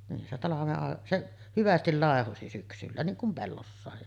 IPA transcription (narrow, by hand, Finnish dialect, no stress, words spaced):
nin se tɑlɑʋeʔ ʔɑˑeʔ seʔ hyʋæstil lɑˑehosi syksylːæ niːŋ kum pelːosːɑˑe